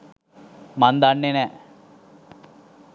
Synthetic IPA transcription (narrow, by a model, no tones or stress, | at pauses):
mand̪anːenɛː